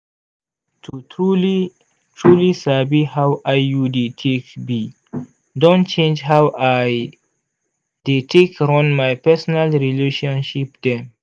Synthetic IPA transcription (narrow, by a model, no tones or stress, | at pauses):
tuuli | t͡ʃulisabihawʔajːuditʰekbi | dõnt͡ʃẽnd͡ʒɦawaj | d̥etʰekɾɔnmajpɛsonalɾileʃõnʃipde